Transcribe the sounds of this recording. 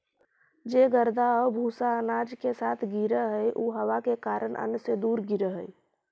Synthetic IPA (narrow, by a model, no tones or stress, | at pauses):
d͡ʒeːɡəɾd̪ʱaɔbʱusaənaːd͡ʒkesaːt̪ʰɡiɾəɦəjʔuːɦəwakekaːɾənʔə̰nsed̪uːɾɡiɾəɦəj